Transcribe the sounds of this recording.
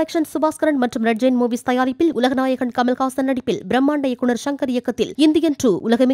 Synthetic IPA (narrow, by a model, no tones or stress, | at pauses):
ɐkʂɐnsʊbaːskɐɾɐɳɖmɐʈrɯmɾɐʈd͡ʒeːnmoːʋist̪ɐjaːɾɪpːɪlʊlɐɣɐnaːjɐɣɐɳkɐmɐlɣaːsɐnːɐɽɪpːɪlbɾɐmːaːɳɖɐjɐkːʊɳɐɾʃɐŋkɐɾɪjɐkːɐt̪ːɪlɪnd̪ɪjɐnʈruːʔʊlɐɣɐm